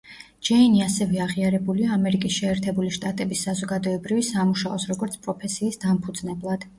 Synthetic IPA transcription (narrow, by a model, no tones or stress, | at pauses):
d͡ʒɛiniasɛvɛaʁiaɾɛbuliaːmɛɾikʼisʃɛɛɾt̪ʰɛbuliʃt̪ʼat̪ʼɛbisːazɔɡad̪ɔɛbɾivisamuʃaɔsɾɔɡɔɾt̪sʰpʼɾɔpʰɛsiːsd̪ampʰud̪znɛblˠad̪̥